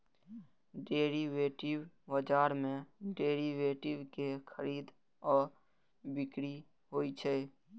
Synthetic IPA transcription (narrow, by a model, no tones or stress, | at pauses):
ɖeːɾiʋeːʈɪwːəd͡ʒaːɾmẽɖeːɾiʋeːʈɪwkekʰəɾiːd̪ | ɔːɾ | bɪkɾi | ɦoːit͡ʃʰe